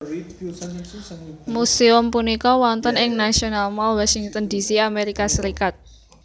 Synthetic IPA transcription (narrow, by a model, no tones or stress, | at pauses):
museʊmpunikɔwɔnt̪ənɪŋnasionalmɔlwɔsiŋt̪ənd̪isiameɾikasəɾikat̪̚